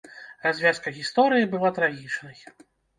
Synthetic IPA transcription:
razʲvʲjaskɐɣʲist̪ɔɾɨjibɨlˠat̪ɾaɣʲit͡ʂnɐj

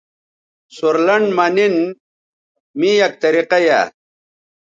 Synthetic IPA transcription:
suɾlɐɳɖmɐnin | mijɐk̚t̪ɐɾiqɐja̰

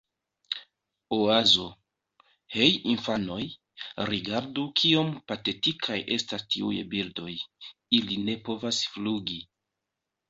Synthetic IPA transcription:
oazo̞ | he̞jinfano̞j | ɾiɡaɾdukʰio̞mpate̞tikʰajʔe̞stastiṵjbildo̞jiline̞po̞vasfluɡi

